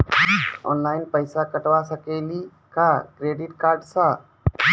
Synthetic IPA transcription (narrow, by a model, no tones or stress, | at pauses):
ɔ̰ːnlaːɪnpəɪsakəʈʋasəkeːli | kakɾeːɖɪʈkaːɾɖsã